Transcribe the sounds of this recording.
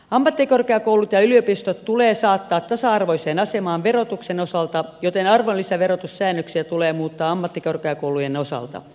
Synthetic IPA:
ɑmːɑt̪ːikorkeɑkoulut̪jɑyliopist̪ot̪t̪uleːsɑːt̪ːɑːt̪t̪ɑsɑɑrʋoiseːnɑsemɑːʋʋerot̪uksenosɑlt̪ɑjot̪enɑrʋolːisɑʋeɾot̪ussæːnːøksiæt̪uleːmuːt̪ːɑːɑmːɑt̪ːikorkeɑkoulujenosɑ̰lt̪ɑ̰

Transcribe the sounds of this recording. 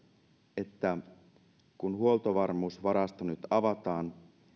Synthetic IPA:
e̞t̪ːæ | kunhuolt̪oʋɑrmuːsʋɑɾɑst̪ɑnyt̪ɑʋɑt̪ɑːn

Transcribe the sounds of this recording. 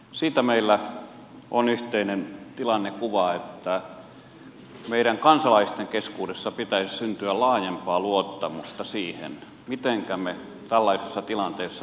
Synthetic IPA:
siːt̪æmeilːæ | ʔonyht̪einent̪ilɑnːekuʋɑet̪ːæ | meiɾæŋkɑnsɑlɑist̪eŋkeskuːdesːɑpit̪æissynt̪yællɑːjempɑːluot̪ːɑmust̪ɑsiːhḛn | mit̪eŋkæme | t̪ælːɑisesːɑt̪ilɑnt̪eːsːɑ

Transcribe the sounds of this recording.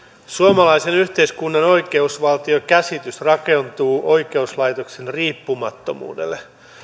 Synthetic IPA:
suomɑlɑjsenyht̪e̞iskunːɑno̞jke̞usʋɑlt̪iokæsit̪yst̪rɑke̞nt̪uːʔo̞ikeuslɑjt̪o̞ksenriːpːumɑt̪ːo̰mṵːdḛlːˑe

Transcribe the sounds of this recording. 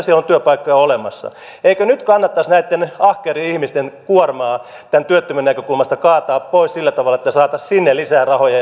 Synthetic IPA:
sielont̪yøpɑikːojɑolemɑsːɑ̰ | eikønyt̪kɑnːɑt̪ːɑsnæit̪ːenɑhkeːriihmist̪enkuormɑː | t̪ænt̪yøt̪ːømynækøkulmɑst̪ɑkɑːt̪ɑːppoissilːæt̪ɑʋɑlːˑɑet̪ːæsɑːt̪ɑssinːelisæːrɑhojɑ

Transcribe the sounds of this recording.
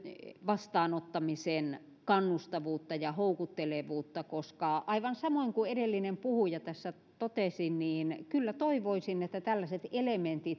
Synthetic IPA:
ʋɑst̪ɑːnot̪ːɑmisen | kɑnːust̪ɑʋuːt̪ːɑjɑhoukut̪ːeleʋuːt̪ːɑkoskɑʔɑiʋɑnsɑmoiŋkuedelːinempuhujɑt̪æsːæ | t̪ot̪esinniːnkylːæt̪oiʋoisinet̪ːæt̪ælːæset̪element̪it̪

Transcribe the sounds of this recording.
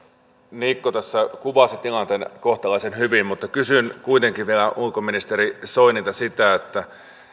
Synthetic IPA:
nikːot̪æsːækuʋɑsit̪ilɑnt̪eːnkoht̪ɑlɑisenhyʋimmut̪ːɑkysynkuit̪eŋkiʋielæʔulkominist̪erisoiniːt̪æsit̪æet̪ːæ

